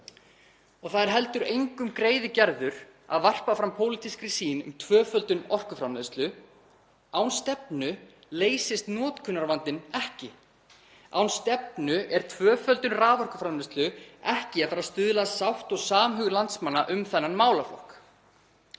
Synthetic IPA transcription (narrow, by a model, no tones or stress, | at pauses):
ɔɣθaðɛɾ̥ɦɛlt̪ʏɾejŋkʏmkɾeːjðɪcɛɾðʏɾ̥ | a̰ðvar̥pafɾampʰowlit̪iskɾisiːnʏ̰mt̪ʰvœːfœlt̪ʏnɔr̥kʏfɾamleːst̪lʏ | awnst̪ɛpnʏ | leːjsɪst̪nɔːt̪kʰʏnːaɾvant̪ɪnɛhcɪ | awnst̪ɛp̚nʏʔɛɾ̥t̪ʰvœːfœlt̪ʏnraːvɔr̥kʏfɾamlest̪lʏɛhcɪaðfaːɾast̪ʏðlasawht̪ɔɣsaːmɦʏːɣʏlant̪smanːaʔʏmθɛnːanmaːwlaflɔ̰hk